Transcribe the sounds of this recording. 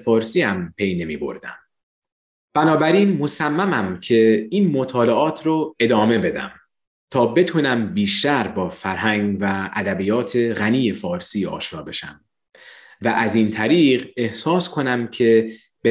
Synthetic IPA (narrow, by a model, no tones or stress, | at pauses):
fɒːɾsiːæmpʰe̞jne̞mḭːbo̞̰ɾd̪æ̰m | b̥ænɒːbæɾiːnmo̞sæmːæmæmcʰe̞iːnmo̞t̪ʰɒːleʔɒːt̪ʰɾoe̞d̪ɒːme̞be̞d̪æ̰m | t̪ʰɒːbe̞t̪ʰuːnæmbiːʃt̪æɾbɒːfæɾɦæŋɡvææd̪æbiːjɒːt̪ʰe̞ɣæniːjefɒːɾsiːɒ̰ːʃɾɒːbe̞ʃæ̰m | væʔæziːnt̪ʰæɾiːɢe̞hsɒːskʰo̞næmcʰe̞ | b̥e